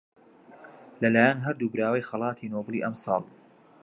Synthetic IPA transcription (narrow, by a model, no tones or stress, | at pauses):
lɐlaːjanɦɐɾd̪uːbɾaːwɐjxɑlˠɑːt̪ʰiːnoblˠiːʔɐmsˤɑ̰ːlˠ